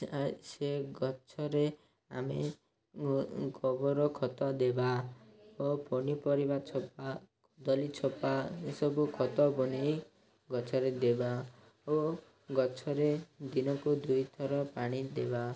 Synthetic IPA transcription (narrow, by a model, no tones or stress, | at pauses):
seɡɔt͡ʃʰɔɾe | a̰me | ɡɔbɔɾɔkʰɔt̪ɔd̪eba | opɔnipɔɾibat͡ʃʰɔpa | d̪ɔlit͡ʃʰɔpasɔbukʰɔt̪ɔbɔñej | ɡɔt͡ʃʰɔɾed̪eba | o | ɡɔt͡ʃʰɔɾed̪inɔkud̪ujt̪ʰɔɾɔpaɽ̃id̪eba